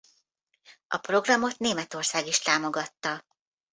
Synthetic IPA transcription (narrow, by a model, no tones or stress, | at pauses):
ʔɒ̰pro̞ɡrɒmo̞t̪neːmɛt̪o̞rsaːɡiʃt̪aːmo̞ɡɒt̪ːɒ